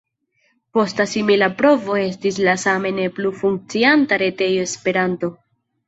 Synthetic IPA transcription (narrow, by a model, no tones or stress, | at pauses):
po̞stasimilapɾo̞vo̞e̞s̬tis̬lasame̞ne̞plufuŋk̚t͡siantaɾe̞te̞jo̞espe̞ɾanto̞